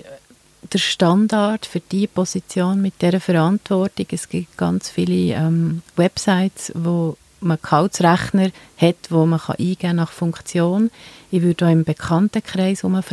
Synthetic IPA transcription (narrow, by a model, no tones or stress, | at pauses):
d̥əɾʃtɑndɑɾtfʏɾd̥ipɔsit͡sjoːnmɪt̚d̥ɛɾəfəɾɑntvɔrtɪɡɛsɡ̥ɪtɡ̥ɑ̰nt͡sfiliɛmwɛpsaɪtsvo | məkʰɑʊtsɾæχnəɾhɛtʋoməχɑ̰ʔiːɡ̥æːnɑχfʊŋkt͡sjoːnɪʋʏɾdoːɪmb̥ɛkʰχɑntəkʰχɾɛɪsʊməf